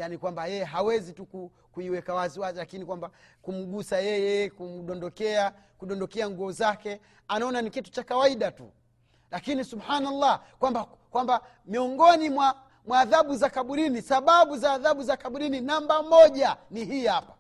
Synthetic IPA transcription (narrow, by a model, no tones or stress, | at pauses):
janikwambajɛjɛɦawɛzituku | kuiwɛkawaziwazilakinikwambakum̩ɡusajɛjɛkum̩ɗɔndɔkɛa | kuɗɔndɔkɛaŋɡuɔzakɛ | anaɔnanikitu̥t͡ʃakawaiɗatṵ | lakinisubhaːnalːakwamba | kwamba | miɔŋɡɔnimwa | mwaːðaɓuzakaɓuɾinisaɓaɓuzaːðaɓuzakaɓuɾininambamɔʄaniɦiːhapḁ